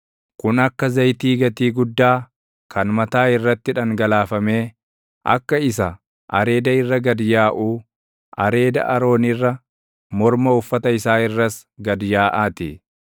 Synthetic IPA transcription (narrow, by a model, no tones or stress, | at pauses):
kʊnɐkːɐzɐjt̪iːɡɐt̪iːɡʊd̪ːaː | kʰɐnmɐt̪aːɪrːɐt̪ːɪᶑɐŋɡɐlaːfɐme̞ː | ʔɐ̰kːɐɪs̬ɐ | ʔɐ̰ɾe̞ːd̪ɐɪrːɐɡɐd̪jaːʔuː | ʔɐɾe̞ːd̪ɐ̰ʔɐɾo̞ːnɪrːɐ | mɔɾmɐʊfːɐt̪ɐɪsaːɪrːɐs | ɡɐd̪jaːʔaːt̪ɪ